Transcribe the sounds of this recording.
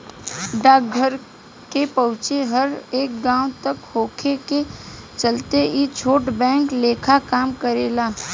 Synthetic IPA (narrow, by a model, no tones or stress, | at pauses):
ɖaːkɡʱəɾ | kepəɦʊ̃t͡ʃeɦəɾeːk̚ɡãːw̃t̪əkhoːkʰeket͡ʃəlt̪eit͡ʃʰoːʈbɛ̃ːŋkleːkʰakaːmkəɾeːlaː